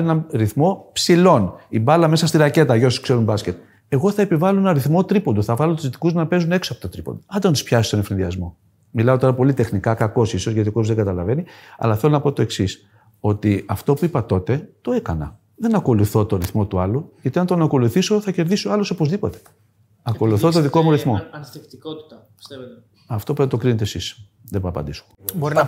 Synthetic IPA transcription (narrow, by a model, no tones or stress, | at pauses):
enɐɾiθmo̞psilo̞nibɐlɐme̞sɐst̪iɾɐce̞t̪ɐʝo̞suskse̞ɾumbɐsce̞t̪̚ | e̞ɣo̞θɐepivɐlonɐɾiθmo̞t̪ɾipond̪oθɐvɐlot̪uzt̪i̥kuznɐpe̞zune̞ksoɐpot̪ot̪ɾipo̞̰nd̪oɐnd̪ɐnt̪i̥spçɐsi̥st̪o̞nefɾinðiɐzmo̞ | milɐo̞t̪o̞ɾɐpo̞lit̪e̞xnikɐkɐko̞siso̞zʝɐt̪iokosuzðeŋɡɐt̪ɐlɐve̞niɐ̰lɐθe̞lonɐpo̞t̪o̞e̞ksis | o̞t̪iɐft̪o̞puipɐt̪o̞t̪e̞t̪o̞e̞kɐnɐ̰ | ðe̞nɐko̞luθo̞t̪o̞ɾiθmo̞t̪uɐluʝɐt̪iɐnt̪onɐko̞luθiso̞θɐce̞ɾðisoɐlo̞so̞pozðipo̞t̪e̞̥ | ɐko̞luθot̪oðikomoɾiθmo̞ | ɐft̪o̞put̪okɾinet̪esis | ðebɐːpɐ̰nd̪iso̥boɾi